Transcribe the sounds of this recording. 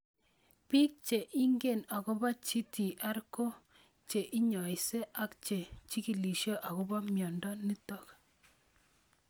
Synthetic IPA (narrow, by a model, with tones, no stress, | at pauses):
pi˦k̚t͡ʃe˨ʔi˦ŋɡe˨na˨kɔ˦ba˦t͡ʃi˦ti˨ʔa˦ɾko˦ | t͡ʃe˨ʔi˦ɲɔ˨jse˦ʔa˦kt͡ʃe˨t͡ʃi˦ki˨li˨ʃo˦ʔa˨ko˦ba˦mjɔ˨ndɔ˦ni˦tɔ˦k